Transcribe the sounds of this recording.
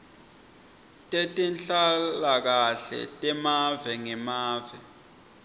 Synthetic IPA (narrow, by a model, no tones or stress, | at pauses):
tʼetʼinɬalak̬aɬɛ̰tʼɛmavɛŋɛmaːvɛ